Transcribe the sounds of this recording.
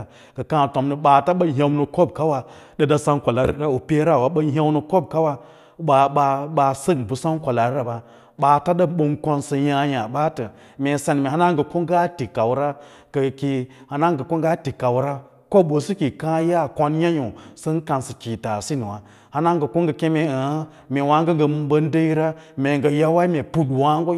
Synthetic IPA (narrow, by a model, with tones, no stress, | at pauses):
kə˨kã˦˨to˨mnə˨ɓaː˨ta˦ɓə˦ɦʲa˨wnə˨ko˦b̚ka˦wa˨ | ɗə˨da˦sa˦n˦kʷa˨la˨ɾḭ˦ɾa˦u˨pe˦ɾa˦˨wa˨ɓə˦ɦa˦wnə˨ko˦b̚ka˦wa˦˨˦ | ɓa˨ɓa˧ɓa˨sə˦ɡbu˨sa˦n˦kʷa˨la˨ɾɾa˨ba˨ | ɓa˨ta˦ɗə˦ɓo˨ŋko˦nsə˨ja˦ja˨ɓa˦tə˨ | me˨sa˨n˨me˨a˦na˦ŋ˦ɡə˨ko˦ŋ˦ɡa˦ti˨ka˨wɾa˦ | ɡə˨ki˨ha˨na˦ŋɡə˨ko˦ŋɡa˦ti˨ka˨wɾa˦ | ko˦ɓo˨si˦ki˨ka˦ja˦˨ko˦n˦ja˦jo˨sə˦n˦ka˨nsə˨kʲi˨ta˨si˦n˨wa˨ | ha˦na˦ŋ˦ɡə˨ko˦ŋɡə˨ke˦me˨a˨a˦ | me˨wa˨˦ŋ˦ɡə˦ŋ˦ɡə˨m˨bə˦n˦də˦i˦ɾa˦me˨ŋɡə˨ja˦wa˦i˦me˨pu˦dwa˦ŋɡo˦